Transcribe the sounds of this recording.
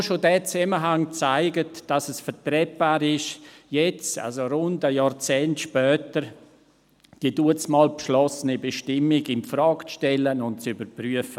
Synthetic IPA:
ʃodɛːt͡sɛməɦaŋt͡saɪɡətd̥ɑsɛsfəɾtɾɛpaːɾɪʃjɛt͡sa̰lsoɾʊndəjaːɾt͡sɛːntʃpœːtəɾ | d̥iːəduət͡smɑːlpʃlɔsənibɛʃtɪmiɡɪnfɾɑːkt͡sʃtɛlənʊnt̚t͡sybəɾpɾyəfə

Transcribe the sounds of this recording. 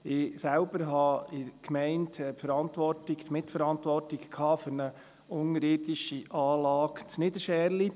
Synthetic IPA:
ɪsælbəɾɦɑɪkmɛɪntːpfəɾɑntʋɔrtɪkt̪mɪtfəɾɑntʋɔrtɪkkʰɑːfɵɾnə | ʊŋəɾɪdiʃiʔɑːlɑːkt͡snɪd̪əʃɛːɾli

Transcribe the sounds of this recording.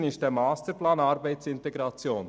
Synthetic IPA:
nɪst̚d̥eːmaːstəɾplaːnaɾbaɪt͡sɪntɛɡʁɑt͡sjoːn

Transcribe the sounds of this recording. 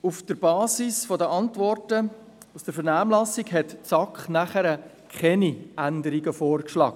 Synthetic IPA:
ufd̥əɾbɑːsisfɔdəʔɑntvɔrtə | usd̥əɾfəɾnaːmlɑsːiɡɦɛtt͡sɑkχnæχəɾə | kχɛniʔændəɾiɡəfoːɾkʃlɑ̰ːɡ̚ə

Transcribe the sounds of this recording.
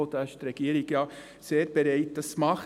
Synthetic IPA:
od̪ɑʃt̪ɾɛɡ̥iːəɾiɡ̥jɑ | seːɾb̥eɾɛɪt̚d̥ɑsmɑχ

